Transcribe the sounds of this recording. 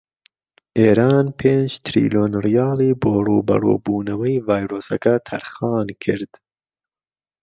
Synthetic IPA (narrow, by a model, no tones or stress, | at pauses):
ʔeːɾɑːnpʰeːnd͡ʒt̪ʰɾḭːloːnrijɑːlˠiːboːruːbɐ̰ro̰ːbuːnɐwɐjvɑːjɾoːsɐkɐt̪ʰɐ̰ɾxɑːnkʰɨɾd̪̥